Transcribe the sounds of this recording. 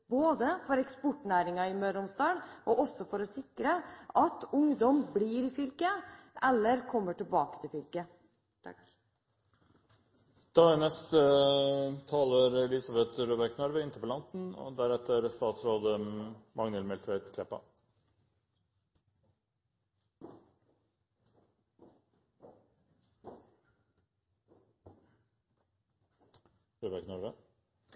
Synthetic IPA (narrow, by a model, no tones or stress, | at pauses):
b̥oːd̪əfɔɾɛkspɔʈːnæːɾɪŋɑɪmœːɾʊmst̪ɑːɽʔɔʔɔsːɔfɔɾɔsɪkɾəʔɑt̪ʊŋd̪ɔmbliːɾɪfʏlkəʔɛlːəɾkʰɔmːəʈɪlbɑːkə̥t̪ʰɪlfʏlkə | d̪̥ɑənɛst̪ə | t̪ʰɑːləɾɛlɪsɑbɛt̪ɾuːbæɾknœɾʋəɪnt̪ʰəpɔlɑnt̪n̩o̰ːd̪æɾɛt̪əɾst̪ɑːt̪sɾoːd̪əmɑŋnəlmɛlt̪ʰʋæɪt̪kʰlɛpːɑ̰ | ɾuːbæɾknɔɾʋə